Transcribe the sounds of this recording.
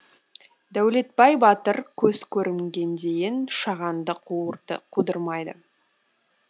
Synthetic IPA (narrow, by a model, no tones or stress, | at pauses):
d̪æwle̞t̪̚bɑjbɑt̪əɾkʲʰɵzkʲʰɵɾɪmɡʲe̞nd̪e̞jɪnʃɑʁɑnd̪əqqʰud̪əɾmɑjd̪ə̰